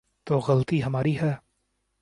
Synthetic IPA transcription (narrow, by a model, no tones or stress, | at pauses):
t̪oːɣɐlət̪iɦɐmaːɾiɦɛː